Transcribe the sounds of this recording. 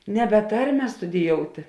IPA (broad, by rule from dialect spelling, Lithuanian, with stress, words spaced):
nʲɛˈbʲɛ ˈtɐrʲmʲɛ stʊdʲɪˈjoːʊtʲɪ